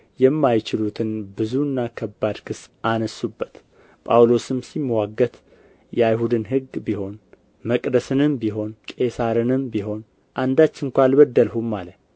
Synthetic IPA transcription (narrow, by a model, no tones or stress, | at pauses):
jɛmːajt͡ʃɪlut̪ʰɨnbɨzuɨnːakʰəbːad̪kʰɨsʔanəsːubːət̪ | pʼa̰wlo̞sɨmsimːəwaɡːət̪ | jɛajɦud̪ɨnɦɨɡːbiho̞n | məkʼd̪əsɨnɨmbiɦo̞nkʼe̞saɾɨnɨmbiɦo̞n | ʔand̪at͡ʃːɪŋkʷalbəd̪ːəlhumːalə